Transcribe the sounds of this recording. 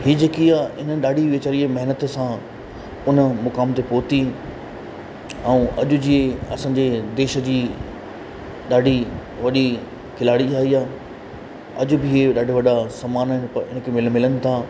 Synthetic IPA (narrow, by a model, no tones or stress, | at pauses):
ɦiːd͡ʑeːkiaːɪnəɗaːɖʱiʋeːt͡ɕaːɾimɐɦɪnət̪sã | ʊnə̆mʊkaːmt̪epoːt̪i | ɛ̃ũʔɐ̰ʄʊ̆d͡ʑieɐ̰sãːɲd͡ʑed̪eːʃə̆d͡ʑiː | ɗaːɖʱi | ʋɐɗi | kʰɪlaːɽiaːɦiaː | ɐʄʊ̆bɪɦeɗaːɖʱɪʋɐɗasɐmaːnəpɐɪnə̆kʰemɪlmɪlənɪ̆t̪ʰaː